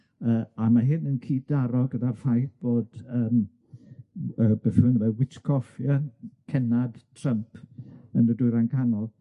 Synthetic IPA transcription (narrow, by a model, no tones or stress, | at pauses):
əːamaɦɪnənkʰiːd̥aɾɔɡədarfajθb̥oːd̥əːm | əbefɪnwɛwɪtkʰɔfjəkʰɛnad̥tʰrəmpʰə̰nədʊjɾankʰanɔlˠ